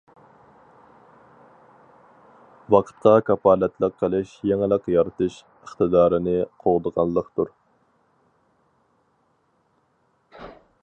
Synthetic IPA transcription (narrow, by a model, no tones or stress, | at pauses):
wɑqʰə̥t̪̚qʰɑkʰɑpʰɑːlɛt̪lˠəqʰːəlˠɪʃjeŋɪlˠəqjɑɾt̪ʰɨʃ | əχt̪ɨd̪ɑːɾɪnɪqʰoʁd̪əʁɑnlˠːəqt̪uɾ